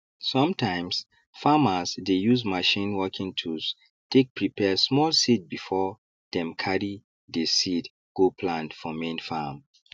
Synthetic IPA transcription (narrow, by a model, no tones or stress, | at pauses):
sɔ̃mtãɪ̃ms | faməzdejuzmaʃĩnwɔkʰĩŋtʰus | tʰek̚pʰɹipʰɛsmɔlsit̚bifɔ | d̥ɛ̃mkʰaɹi | desit | ɡ̥opʰlãndfɔmẽnfam